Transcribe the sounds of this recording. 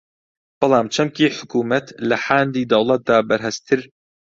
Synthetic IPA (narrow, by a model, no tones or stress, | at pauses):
b̥ɨlˠɑːmt͡ʃʰɐmkiːħʊkuːmɐt̪lɐħaːnd̪iːd̪ɐwlˠɐt̪̚d̪aːbɐɾɦɨst̪ʰɨɾ